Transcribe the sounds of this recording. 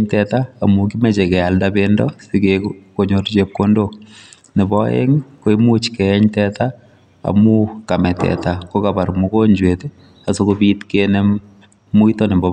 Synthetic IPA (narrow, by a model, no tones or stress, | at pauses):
ɲtɛtaːmukimɛt͡ʃekɛaldabendɔsikekkoɲort͡ʃep̚kondo | nɪbɔɛ̰ŋkoimut͡ʃkɛɛɲtɛta | a̰mukamɛtɛ̰takokabarmukoɲd͡ʒwete | asokobitkenɛ | muitɔnɪmbɔ